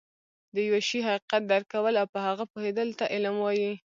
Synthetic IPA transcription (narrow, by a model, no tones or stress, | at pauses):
d̪əjwaʃiɦaqiqat̪̚d̪aɾkawəlawpəhaɣapohed̪əlt̪aʔɪlamwɑji